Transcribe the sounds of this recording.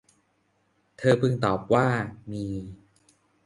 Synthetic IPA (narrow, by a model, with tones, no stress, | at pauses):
t̪ʰɤː˧pɯ˧ŋt̪ɔː˨˩p̚waː˥˩miː˧